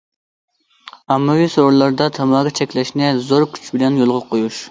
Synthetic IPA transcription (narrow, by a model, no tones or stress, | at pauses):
ɑmːɨwisoɾlˠɑɾd̪ɑt̪ʰɑmɑːɡʲɑt͡ʃʰɛkʲlɛʃnɪzoɾkʲʰy̥t͡ʃʰbɪlɛnjolˠʁɑqʰojuʃ